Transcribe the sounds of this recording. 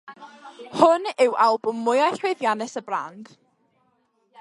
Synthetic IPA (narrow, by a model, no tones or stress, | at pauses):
hʊnɪwalˠbʊmːʊjajɬwɪðjanɛsəbra̰nd̥